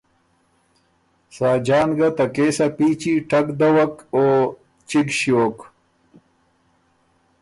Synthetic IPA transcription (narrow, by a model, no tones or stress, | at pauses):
saːd͡ʑaːnɡɐt̪ɐkeːsapiːt͡ɕiʈʰɐkd̪ɐwɐkoː | t͡ɕiɡɕjoːk